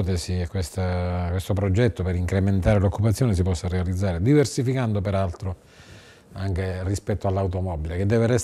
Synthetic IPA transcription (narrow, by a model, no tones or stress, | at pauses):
t̪esiekːwest̪akwest̪opɾod͡ʒɛt̪ːopeɾiŋkɾement̪aːɾelokʰːupat̪sːjoːnes̬ipɔsːarealid̪zːaːɾed̪iversifikand̪opeɾalt̪ɾo | aŋk̟erispɛt̪ːoalːawt̪̬omɔbilek̟ed̪ːɛːverɛs